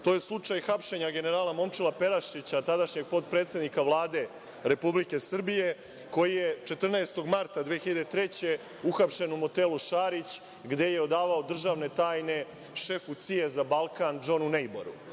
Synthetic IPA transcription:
t̪oje̞slˠut͡ʂajxapʃe̞ɲaɡe̞ne̞ɾaːlamo̞mt͡ʃilape̞ɾaʃit͡ɕat̪ad̪aʃɲe̞ɡ̚po̞t̪̚pɾet̪se̞d̪nikaʋlˠaːd̪e̞ | ɾe̞publike̞sr̩bije̞ | ko̞jijet͡ʃe̞t̪r̩naest̪o̞ɡmaɾt̪ad̪ʋeːxiʎad̪et̪ɾe̞t͡ɕe̞ | uxapʃe̞numo̞t̪eluʃaɾit͡ɕ | ɡd̪e̞je̞o̞d̪aːʋao̞d̪r̩ʒaʋne̞t̪aːjne̞ | ʃe̞fut̪sie̞zabalˠkand͡ʒo̞nunejbo̰ɾṵ

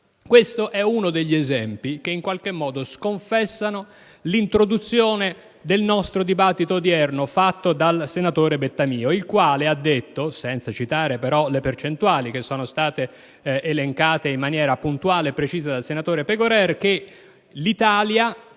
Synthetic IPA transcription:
kwest̪oʔɛunod̪eʎːiezɛmpik̟eiŋkwalkemːɔːd̪oskoɱfɛsːano | lint̪ɾod̪ut̪sːjoːne | d̪elnɔst̪ɾod̪ibat̪ːit̪od̪iɛrnofat̪ːod̪alsenat̪oːɾebet̪ːamiːoilkwaːlead̪ːet̪ːosɛnt̪sat͡ʃit̪aːɾepeɾɔlepert͡ʃent̪uaːlik̟esːoːnost̪aːt̪eː | leŋkaːt̪eimːanjɛːɾapunt̪uaːlepɾet͡ʃiːzad̪alsenat̪oːɾepeɡoɾɛrk̟e | lit̪aːlja

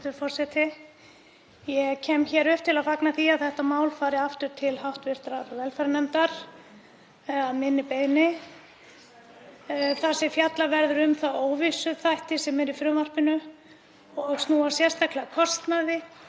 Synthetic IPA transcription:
t̪ʏɾfɔr̥sɛt̪ɪ | jɛɣcʰɛːmçɛːɾʏhp̚t̪ʰɪlaðfaknaθiaðθɛht̪amaːwlfaːɾɪaft̪ʏɾ̥t̪ʰɪlɦawht̪vɪr̥t̪ɾaɾvɛlfɛɾanɛmt̪aɾ̥ | aðmɪnːɪpeːjnɪ | θasɪfjat̪lavɛɾðʏɾʏmθaðoːwvisʏθajht̪ɪsɛmɛɾifɾʏːmar̥pɪnʏ | ɔɣst̪uːasjɛrst̪ajklɪakʰɔst̪naðɪ

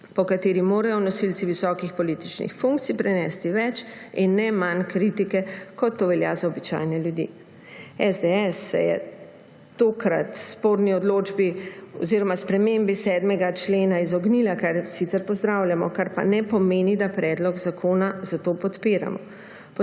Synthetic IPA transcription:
pɔkat̪eːɾimoːɾajɔnɔsilt̪siʋisɔːkixpɔliːt̪it͡ʃnḭxfuŋk̚t̪sijpɾɛnɛːst̪iʋɛt͡ʃinːɛmankɾit̪ikɛkɔt̪ːoʋɛlja̰zaɔbit͡ʃa̰jnɛljud̪ḭː | ɛzd̪ɛɛsːɛ̰jɛ̰ | t̪oːkɾa̰t̪spoːɾniɔd̪loːd͡ʒbiɔziːɾɔmaspɾɛmembisɛːd̪mɛɡat͡ʃleːnaizɔɡniːlakaɾsit̪sɛɾpɔzd̪ɾawljamɔkaɾpa̰nɛpɔmeːnid̪apɾɛd̪lɔɡzakʰoːnazat̪oːpɔt̪piɾa̰mɔ̰ | p

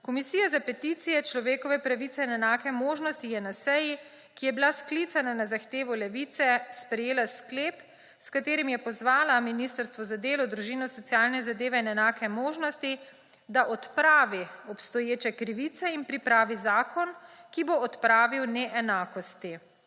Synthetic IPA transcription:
kɔmisijazapɛt̪it̪sijɛt͡ʃlɔʋeːkɔʋɛpɾaʋit̪sɛinɛnaːkɛmoːʒnɔst̪ijɛnasɛji | kijɛbilasklit̪sananazaxt̪eːʋɔlɛʋit̪sɛspɾɛjeːlaskleːp | skat̪eːɾimjɛpɔzʋaːlaminist̪əɾst̪ʋɔzad̪eːlɔd̪ɾuʒiːnɔsɔt̪sijaːlnɛzad̪eːʋɛinɛnaːkɛmoːʒnɔst̪i | d̪aʔɔt̪pɾaːʋiɔpst̪ɔjeːt͡ʃɛkɾiʋit̪sɛinpɾipɾaːʋizaːkɔnkiboːt̪pɾaːʋiwnɛʔɛnaːkɔst̪i

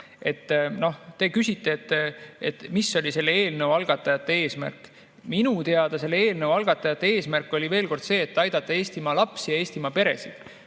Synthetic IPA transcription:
e̞t̪ːno̞ht̪e̞kysʲit̪ːˑe̞ːt̪ːet̪ːmisːo̞lʲise̞lːeeːlnəwɑlɡ̥ɑt̪ːˑɑjɑt̪ːˑee̞ːsmæ̰rk | minut̪e̞ɑd̪̥ɑse̞lːeeːlnəwɑlɡ̥ɑt̪ːˑɑjɑt̪ˑːee̞ːsmærkːˑo̞lʲive̞ːlko̞rd̪̥se̞ːt̪ːɑjd̪̥ɑt̪ːˑɑe̞ːsʲt̪imɑlɑpsijɑe̞ːsʲt̪imɑpe̞ɾe̞̰sid̪̥

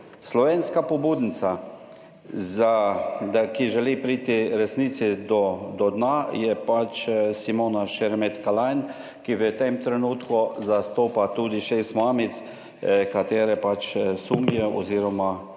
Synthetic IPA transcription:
slɔʋeːnskapɔbuːd̪nsa | zad̪akiʒɛlipɾiːt̪iɾɛsniːsid̪ɔd̪ɔd̪najɛpat͡ʃsimoːnaʃɛɾmet̪kalajn | kiʋət̪emt̪ɾɛnuːt̪kuzast̪oːpat̪uːd̪iʃeːst̪maːmit̪s | kat̪eːɾɛpat͡ʃsumjɛɔ̰ziːɾɔma

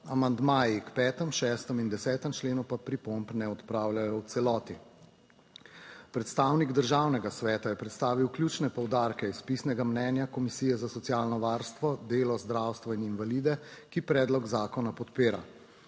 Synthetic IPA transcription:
amand̪maːjikpɛːt̪əmʃɛːst̪əmind̪ɛsɛːt̪əmt͡ʃleːnupapɾipompnɛɔt̪pɾaːwljajɔwt̪sɛlɔːt̪i | pɾɛt̪st̪aːwniɡd̪əɾʒawnɛɡasʋɛːt̪ajɛpɾɛt̪st̪aːʋiwklʲjuːt͡ʃnɛpɔwd̪aɾkɛispisnɛɡamnɛːnjakɔmisiːjɛzasɔt̪sijaːlnɔʋaɾst̪ʋɔd̪eːlɔzd̪ɾawst̪ʋɔininvaliːd̪ɛkipɾɛːd̪lɔɡzaːkɔnapɔt̪peːɾa̰

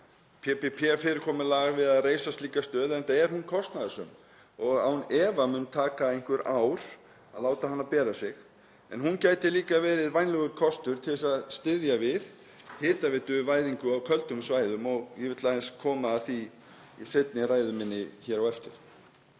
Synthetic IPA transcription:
pʰɛpɛpʰɛfɪɾɪɾkʰɔːmɪlaɣvɪðaðreːjsast̪liːkast̪œːðɛnt̪aɛɾ̥hunkʰɔst̪naðʏsʏm | ɔɣa̰hunɛːvamʏːnt̪ʰaːkaejnŋ̥kvʏɾawɾ̥ | aðlaːwt̪aɦanːapɛːɾasɪx | ɛ̰nɦuncaːjt̪ɪliːkavɛːɾɪðvajnlɛɣʏɾ̥kʰɔst̪ʏɾ̥t̪ʰɪlɪsaðst̪ɪðjavɪð | hɪːt̪avɪt̪ʏvaːjðiŋkʏawkʰœlt̪ʏmsvaːjðʏmɔɣivɪt̪laðɛnskʰɔːmaːθi | iset̪nɪraːjðʏmɪnːɪçɛːɾawɛft̪ɪɾ̥

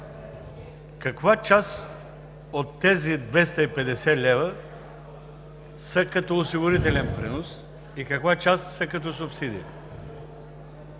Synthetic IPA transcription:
kɐkvat͡ʃas | ot̪ːɛzid̪vɛst̪ɐipɛd̪ɛsɛlʲɛvə | sɐkɐt̪ɔosiɡʊɾit̪ɛlɛnpɾinos | ikɐkvat͡ʃasːɐkɐt̪̬ɔsʊpsid̪iə

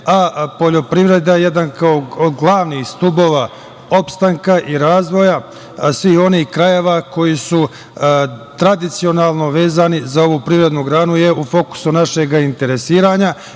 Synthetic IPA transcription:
apo̞ʎo̞pɾiʋɾe̞d̪aje̞d̪ankaoɡlˠaːʋnist̪ubo̞ʋa | o̞pst̪aŋkaʔiɾaːzʋo̞ja | sʋiho̞nihkɾaje̞ʋako̞jisu | t̪ɾad̪it̪sio̞naːlˠno̞ʋe̞ːzaːnizao̞ʋuːpɾivɾe̞d̪nuɡɾaːnuje̞ufo̞ku̥sunaʃe̞ɡaint̪e̞ɾe̞siːɾaɲa

